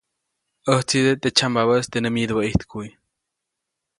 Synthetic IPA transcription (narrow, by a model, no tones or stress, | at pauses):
əht͡sid̪et̪et͡ʃambaβəst̪enɨmjid̪ubəʔiht̪kʰuj